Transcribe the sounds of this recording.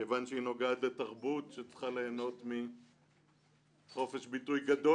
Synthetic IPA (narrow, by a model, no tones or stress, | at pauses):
eːvanʃeino̞ɡaat̪le̞taʁbutʃet͡sχaleːno̞tmi | χo̞fe̞ʃbitujɡado